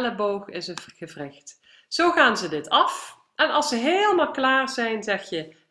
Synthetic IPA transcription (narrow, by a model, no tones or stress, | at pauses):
ləbowχɪsəxəvrɪxt | z̥owχaːnzədɪtʰɑf | ʔɛnɑlˠsəɦeːlˠəmaːlˠklaːɹzɛjnzɛxjə